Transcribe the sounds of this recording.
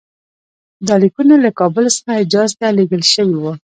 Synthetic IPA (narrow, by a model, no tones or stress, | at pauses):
d̪ɑlikunalakɑbəlsə̥xaɪd͡ʒɑzt̪aleɡəlʃəwiwa